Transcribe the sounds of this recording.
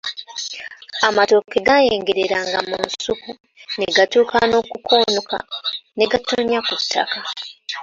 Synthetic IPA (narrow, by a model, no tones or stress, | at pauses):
amato̞kːe̞ɡajeːŋɡeɾeɾaŋɡamṵnsuku | neɡatuːkano̞ːkukʰo̞ːnuka̰ne̞ɡatoɲakutʰːa̰ka